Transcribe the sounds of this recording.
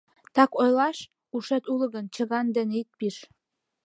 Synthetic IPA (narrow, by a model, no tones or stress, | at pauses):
t̪ɑkojlɑʃ | uʃĕt̪ulɤ̆ɣə̆nt͡ɕə̆ɣɑnd̪ĕnit̪̚piʃ